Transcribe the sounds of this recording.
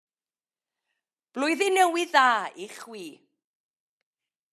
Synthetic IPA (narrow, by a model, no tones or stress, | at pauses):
b̥lʊjðinɛwɪðaːiχwiː